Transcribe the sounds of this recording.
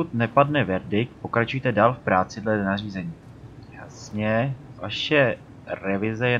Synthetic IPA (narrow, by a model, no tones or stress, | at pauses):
ut̪nɛpadnɛvɛɾdɪk̚t̪̚po̞kɾat͡ʃujt̪ɛdaːlfpɾaːt͡sɪdlɛnariːzɛɲiː | jasɲɛvaʃɛ | ɾɛvɪzɛjɛ